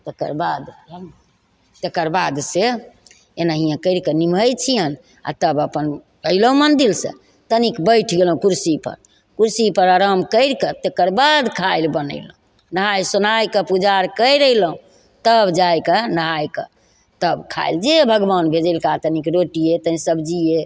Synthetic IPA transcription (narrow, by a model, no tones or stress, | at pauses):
t̪ekə̰ɾbad̪ | t̪ekəɾbad̪se | enaɦijãkəjɾkənimʱəjt͡ʃʰijən | a̰t̪əbəpən | kəjlɦũmənd̪ilsə̰̃ | t̪ənikbəɪʈʰɡelɦũkuɾsipə̰ɾ | kuɾsipəɾaɾəmkəɪɾkət̪ekəɾbad̪kʰajlbənə̰ɪləũ | nəɦajsunajkəpud͡ʒaɾkəjɾəjləɦũ | t̪əbd͡ʒajkənəɦajkə̰ | t̪əbkʰa̰jld͡ʒebʱəɡbanbʱed͡ʒəlkat̪ənikɾoʈiet̪əĩsəbd͡ʒie